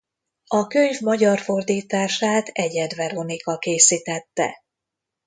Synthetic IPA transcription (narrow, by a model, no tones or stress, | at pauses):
ɒkøɲvmɒɟɒrfo̞rd̪iːt̪aːʃaːt̪ɛɟɛd̪vɛɾo̞nikɒkeːsiːt̪ɛt̪ːɛ̰